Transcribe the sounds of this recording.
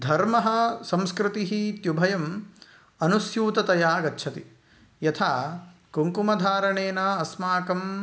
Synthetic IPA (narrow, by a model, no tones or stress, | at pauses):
d̪ʱɐɾmɐɦɐ̆sɐ̃mskɾɪt̪iɦit̪jubʱɐjɐm | ɐnusjuːt̪ɐt̪ɐjaːɡɐtːʃʰɐt̪i | jɐt̪ʰaːkoŋkumɐd̪ʱaːɾɐɳeːnɐɐsmaːkɐm